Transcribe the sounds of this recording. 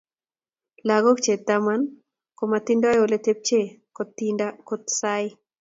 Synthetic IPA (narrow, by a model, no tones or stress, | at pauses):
laɡokt͡ʃet̪aman | komat̪indajolet̪ep̚t͡ʃe | kot̪ːindakot̪saɪ